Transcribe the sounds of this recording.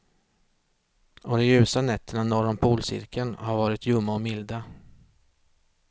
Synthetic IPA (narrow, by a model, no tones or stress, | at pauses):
ɔd̪ɔjʉ̟ːsanɛt̪ʰːəɳanɔɾɔmpʰuːlsɪ̰ɾkʰənhaɾvɑːɾɪt̪jɵmːaɔmɪld̪a